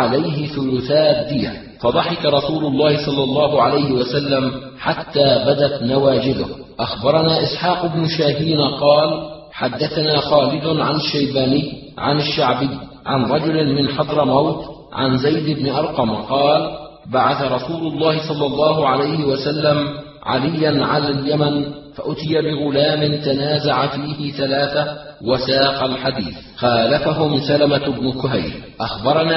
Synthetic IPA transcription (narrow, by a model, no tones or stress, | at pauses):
ʕalajɦɪθʊlʊθaːd̪ːɪja̰ | fɑd̪ˤɑħɪkaɾˤɑsuːlʊlˤːɑːhɪsˤɑlːɑlˤːɑːɦʊʕalajhɪwasalːam | ħat̪ːaːbad̪at̪nawaːd͡ʒɪd̪ʊh | ʔaxbɑɾˤɑnaːʔɪsħaːqɪbnʊʃaːɦiːnaqɑːl | ħad̪ːaθanaːxaːlɪd̪ʊʕanɪʃːajbaːnɪjː | ʕa̰naʃːaʕbɪjː | ʕa̰nɾˤɑd͡ʒʊlɪmɪnħɑd̪ˤɾˤɪmawt̪ | ʕa̰nzajd̪ɪbnɪʔɑɾˤqɑmaqɑːl | baʕaθaɾˤɑsuːlʊlˤːɑːhɪsˤɑlːɑlˤːɑːɦʊʕalajhɪwasalːam | ʕa̰lɪjːanʕa̰laːljamanfaʔʊt̪ɪjabɪɣʊlaːmɪnt̪anaːzaʕafiːhɪθalaːθawasɑːqɑlħad̪ḭːθ | xaːlafaɦʊmsalamabnʊkʊɦajɾʔaxbɑɾˤɑna